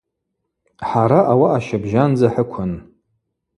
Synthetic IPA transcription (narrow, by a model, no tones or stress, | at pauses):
ħaɾaʔawaʔaʃabʒand͡zaħəkʷʰʊn